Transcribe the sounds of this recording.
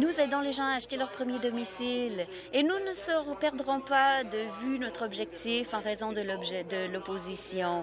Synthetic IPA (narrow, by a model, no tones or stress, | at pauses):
nuzɛd̪ɔ̃leʒɑ̃aaʃt̪elœʁpχəmjed̪ɔmisil | enunəsəʁpɛʁd̪ʁɔ̃pad̪əvynɔt̪χɔbʒɛk̚t̪ifɑ̃ʁɛzɔ̃d̪əlbʒɛd̪əlɔpozisjɔ̃